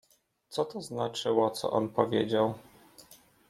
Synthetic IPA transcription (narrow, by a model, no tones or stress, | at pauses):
t̪sɔt̪ɔznat͡ʂɘwɔt̪sɔ̰ʔɔnpɔvʲjed͡ʑaw